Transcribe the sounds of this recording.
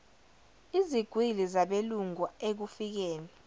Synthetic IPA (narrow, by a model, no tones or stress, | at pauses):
iziɡ̥ʱwilizaɓeluŋuek̬ufik̬ɛːnɛ